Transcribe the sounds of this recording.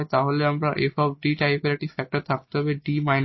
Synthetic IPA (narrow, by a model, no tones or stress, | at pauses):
jt̪aɦoleamɾaʔeʃɔb̚ɖiʈajpeɾaʈifɛk̚ʈaɾt̪ʰak̚t̪eɦɔbeɖimajn